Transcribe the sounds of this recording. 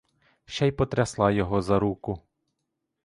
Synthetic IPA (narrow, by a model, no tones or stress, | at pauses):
ʃajpɔt̪ɾʲɐslˠɑjɔɦɔzɐɾukʊ